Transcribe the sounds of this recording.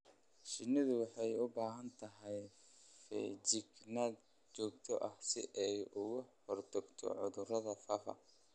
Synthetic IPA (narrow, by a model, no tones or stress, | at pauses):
ʃɪnɪðʊwɑħɑjʊbaːɦɐnt̪ʰɐɦɛj | fɛ̰t͡ʃɪɡnaːd̪ | t͡ʃɔːɡt̪ʰɔʔɐhsɪ̰ʔɛjʊɣʊhɔrt̪ʰɐɡt̪ʰɔ̰ʕʊðʊrɐðɐfaːfɐ̰